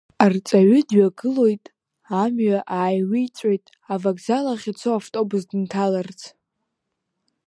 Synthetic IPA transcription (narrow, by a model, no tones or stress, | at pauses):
art͡sʼaɥʏdɥaɡɨlo̞jtʼ | amɥaʔaːjwijt͡sʷʼojtʼ | avakzalaχʲit͡sʰoaftʼo̞bɨzdɨntʰalart͡sʰ